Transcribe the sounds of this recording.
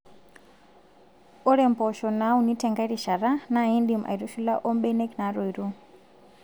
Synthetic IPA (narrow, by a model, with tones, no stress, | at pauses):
ɔ˦ɾɛ˨mpɔ˨ʃɔ˨na˨˦uni˦tɛ˨ŋɡa˦i˦ɾi˨ʃa˨ɾana˦i˦ndimʔa̰˨iɾu˦ʃu˦la˦ʔɔ˦mbɛ˦nɛ˦kna˨˦ɾɔ˨i˨ɾu˦